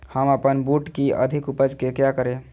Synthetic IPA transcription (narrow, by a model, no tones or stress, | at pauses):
həməpənbuʈkiə̰d̪ʱikupəd͡ʒkekjakəɾe